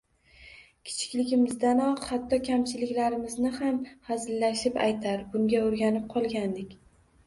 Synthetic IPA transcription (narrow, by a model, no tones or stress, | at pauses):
kʲʰɪ̥t͡ʃʰɪ̥kʲlɪɡʲɪmɪzd̪anɒqhat̪ːɒkʲʰamt͡ʃʰɪlɪkʲlaɾɪmɪznɪhamhazɪlːaʃɪpa̰jt̪ʰaɾbʊŋɡʲaoɾɡʲanɪp̚qʰɒlˠɡʲand̪ɪkʲ